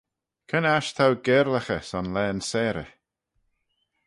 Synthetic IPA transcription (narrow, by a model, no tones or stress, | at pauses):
kʰənaʃt̪ʰawɡɛːɾləxəsɔnlɛːnsɛːɾə̰